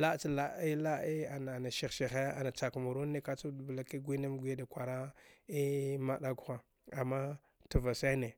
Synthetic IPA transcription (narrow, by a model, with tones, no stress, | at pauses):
la˦t͡ʃa˦la˦i˦la˦i˦a˨na˨na˨ʃi˨xʃi˨xe˦a̰˨na˨t͡ʃa˨kmu˨ɾu˦ne˦ka˦t͡ʃu˦dbla˨ki˦ɡʷi˦na˦m˦ɡʷi˦da˨kʷa˨ɾa˦i˦ma˦ɗa˦ɡu˦˨xa˨ | a˨mːa˦ | tu˨va˨sa˦ne˨